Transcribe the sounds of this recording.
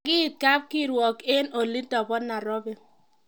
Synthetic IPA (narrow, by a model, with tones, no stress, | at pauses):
ɡi˦˨t̚ka˦p̚ki˦ɾwɔ˨ke˦no˨li˦dɔ˨bɔ˦nːa˨ɾɔ˦be˦